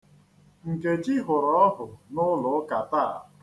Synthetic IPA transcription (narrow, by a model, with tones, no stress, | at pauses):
ŋ̩˨ke˨t͡ʃi˦ɦʊ˨ɾɔ˦ɔ˦ɦʊ˨nʊ˦lʊ˨˦ka˨ta˦˨